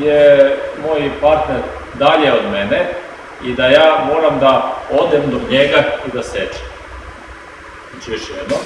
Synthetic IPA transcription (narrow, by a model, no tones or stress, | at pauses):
jemoːjpaɾt̪neɾ | d̪aʎeod̪mene | id̪ajaːmoɾamd̪aod̪emd̪oɲeɡaid̪aset͡ʃe̥m | zat͡ʃijoʃjɛd̪no